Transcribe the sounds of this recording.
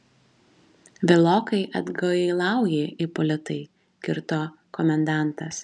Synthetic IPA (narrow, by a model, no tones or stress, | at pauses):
ʋʲɛlˠoːkɐɪʔɐd̪ɡɐlˠɑˑʊjeːʔipɔlʲɪt̪ɐɪ | kʲɪɾt̪oː | kɔmʲɛnd̪ɑˑnˑt̪ɐs